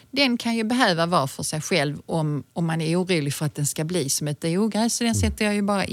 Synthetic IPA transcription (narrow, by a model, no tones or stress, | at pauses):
d̪ɛnkʰanjɵbɛɦøːvavɑːfœʂɛjɧɛlvɔmɔmːanæɾuːɾuːlɪɡfœɾat̪̚d̪ɛnskabliːsɔmɛt̪ɛuːɡɾɛːsɔd̪ɛnsɛt̪ːəɾjɑjɵbɑːɾa̰ʔ